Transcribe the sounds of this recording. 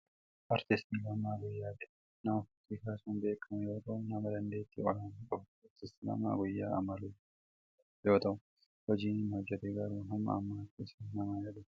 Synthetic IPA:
ʔɐɾt̪ɪst̪ilɐmaːɡʊjːaːᶑɛ | nɐmɐfʊt̪ːiːkaːsuːmbe̞ːkʰːɐmɛjo̞ːt̪ɐʔʊnɐmɐd̪ɐnd̪e̞ːt̪ːḭːɔlanuːkʼɐbʊ̥ɐɾt̪ɪst̪ɪlɐ̰ma̰ːɡʊjːaːɐ̰mɐluː | jo̞ːt̪ɐʔʊ | hɔd͡ʒiːnnɐd͡ʒɐd̪ɛɡɐɾuːnɐmːɐ̰ɐmːaːt̪ːɪsnɐmɐjɐlʊ

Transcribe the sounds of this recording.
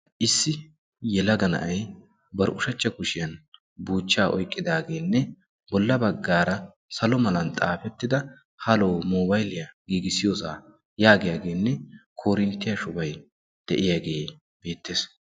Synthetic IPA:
ʔɪsːɪ | jɛlɐɡɐnɐ̰ʔɐj | bɐɾʔʊʃɐt͡ʃːɐkʊʃɪjɐn | buːt͡ʃːaːʔɔ̰jkʼːɪd̪aːɡe̞ːnːɛ | bɔlːɐbɐɡːaːɾɐ | sɐlɔmɐlɐnt̪ʼaːfɛt̪ːɪd̪ɐ | hɐloːmoːbɐjlɪjɐɡiːɡɪsɪjoːsaː | jaːɡɪjaɡe̞ːnːɛkʰoːɾɪnt̪ːɪjɐʃʊbɐj | d̪̥ɛʔɪjaɡe̞ː | b̥e̞ːt̪ːeːs

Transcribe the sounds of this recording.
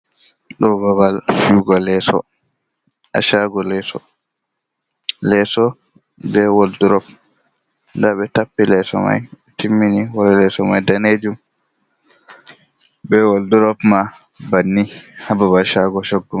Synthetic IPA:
ɗɔbaβalfuɡɔlɛsɔ̰ | a̰ʃaɡɔlɛsɔ̰ | lɛsɔ | bɛwolduɾɔp̚ | ndaɓɛtapːilɛsɔ̰ma̰j | tʰimːiniwɔɾɛlɛsɔmajdaned͡ʒum | bɛwolduɾɔpma | banːihababalʃaɡɔʃoɡːum

